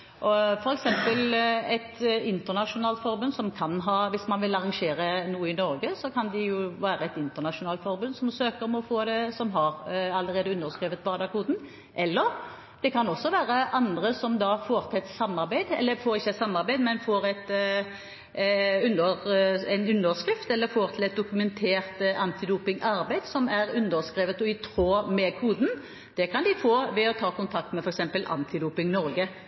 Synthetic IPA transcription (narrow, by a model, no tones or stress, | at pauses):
ʔɔfɔɾɛksɛmpəlɛt̪ɪnt̪əʁnɑʂʊnɑːlt̪fɔɾbʉnd̪sɔmkʰɑnɦɑːʋɪsmɑnʋɪlɑʁɑŋʂeːɾənuːəɪnɔɾɡəsɔkʰɑnd̪ɛjʊʋæːɾəɛt̪ɪnt̪ənɑʂʊnɑːlt̪fɔɾbʉnsɔmsøːkəʁmɔfoːd̪ɛsɔmɦɑɾɑləɾeːd̪əʉnəʁskɾiːʋət̪̚bɑːd̪ɑkʰuːd̪n̩ | ʔɛlːəʁ | d̪̥ɛkʰɑnɔsːɔʋæːɾəʔɑnd̪ʁəsɔmd̪ɑfoːɾt̪ʰɛt̪sɑmːɑʁbæɪd̪ɛ̰lːəfoːɾɪçːəɛt̪sɑmːɑɾbæɪd̪mɛnfoːɾɛt̪ | ʉnəɾɛɪnʉnːəʁskɾɪft̪ɛlːəɾfoːɾt̪ʰɪlɛt̪̚d̪ʊkʉmɛnt̪ʰeːʁt̪ɑnt̪ɪd̪uːpɪŋʔɑɾbæɪd̪sɔmæɾʉnd̪əʁskʁiːʋət̪ɔɪt̪ʰɾoːmɛkʰuːd̪n̩ | d̪̥ɛkʰɑnd̪ɪfoːʋɛɔt̪ʰɑːkʊnt̪ʰɑk̚t̪mɛfɔɾɛksɛmpəlʔɑ̰nt̪ʰɪd̪uːpɪŋnɔɾɡə